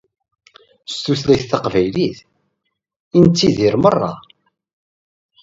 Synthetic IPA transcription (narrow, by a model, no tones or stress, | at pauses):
st̪uθlæjθθɑqvæjliθ | int͡s̪ːiðiɾmərˤːɑ̰